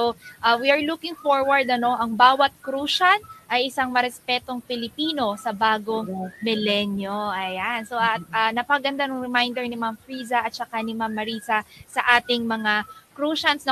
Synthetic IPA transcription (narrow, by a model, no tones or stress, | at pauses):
oʔɐwiɐɹlukɪŋfoɹwɐɹd̪ɐno̞ʔɐŋbaːwɐt̪̚kɾuːʃɐnʔɐjʔɪsaŋmɐɾɛspɛt̪o̞ŋpɪlɪpiːno̞sɐbaːɡo̞ŋmɪlɛnjoʔɐjansoʔɐt̪̚ʔɐnɐpɐɡɐnd̪anʊŋɾɛmajnd̪ɛɹnɪmamfɾiːzɐʔɐt̪̚t͡ʃɐkanɪmamːɐɾiːsɐsɐʔaːt̪ɪŋmɐŋakɾuːʃɐnsnɐ